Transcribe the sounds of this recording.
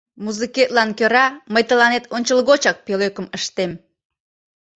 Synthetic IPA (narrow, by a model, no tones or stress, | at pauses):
muzɨket̪lɑnkøɾɑməjt̪əlɑnet̪onʲt͡ɕəlɣot͡ɕɑk̚peløkəməʃt̪em